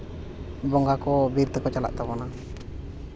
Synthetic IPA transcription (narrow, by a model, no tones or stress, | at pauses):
bɔŋɡakɔbiɾt̪əkɔt͡ʃala̰ʔt̪aβɔna